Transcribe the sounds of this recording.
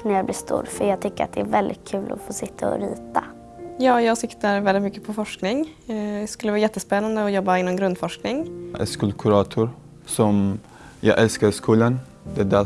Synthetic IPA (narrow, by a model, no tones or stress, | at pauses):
næjablɪʂt̪ṵːɾfœɾjɑːɡ̚t̪ʰʏkːəɾa̰t̪̚d̪ɛæɾvɛld̪ɪ̰t̪̚kʰʉːlʔɔ̰foːsɪt̪ʰːaɔ̰ɾḭːt̪a | jɑːjɑːɡsɪkt̪əɾvɛlɪt̪mʏkːəpʰɔfɔʂknɪŋɛskɵlːəvɑːjɛt̪ːəspɛnːand̪əɔjɔbːaɪnːɔmɡɾɵnd̪fɔʂknɪŋʔɛ̰skɵlkʰʉɾɑːt̪ʰʊɾ | sɔm | jɑ̰ʔɛlskaɾskʰuːlən | d̪ɛd̪æ